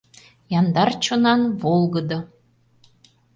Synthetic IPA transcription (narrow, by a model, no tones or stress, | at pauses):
jɑnd̪ɑrt͡ɕonɑnβolˠɣəd̪ɤ̆